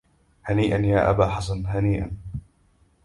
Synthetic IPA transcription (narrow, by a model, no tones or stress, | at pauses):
haniːʔanjaːʔa̰baːħasanɦaniːʔa̰n